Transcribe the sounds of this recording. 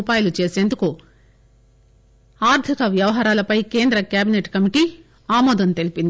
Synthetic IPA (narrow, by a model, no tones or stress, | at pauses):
paːjulut͡ʃe̞ːseːnd̪uku | aːɾt̪ʰikɐʋjɐʋɐɦaːɾaːlɐpɐjke̞ːnd̪ɾɐkjaːbineʈkɐmiʈiː | aːmɔːd̪ɐnt̪e̞lipind̪